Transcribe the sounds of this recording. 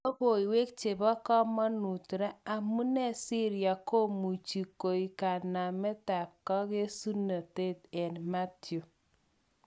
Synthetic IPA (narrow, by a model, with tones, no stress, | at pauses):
o˦bo˨i˨we˦k̚t͡ʃe˨bɔ˦kɔ˦mɔ˦nu˨tɾa˦a˨mu˦nɛ˦si˦ɾja˨ko˦mu˨t͡ʃi˨ko˨i˨ka˨na˨mɛ˦ta˨p̚kɔ˦ɡe˦su˦na˨te˦tɛ˨nma˦tjo˨